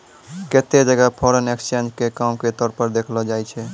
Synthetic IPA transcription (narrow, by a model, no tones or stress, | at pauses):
ket̪ed͡ʒəɡapʰɔɾənekst͡ʃẽnd͡ʒkekamket̪ɔɾpəɾd̪ekʰlɔd͡ʒajt͡ʃʰɛ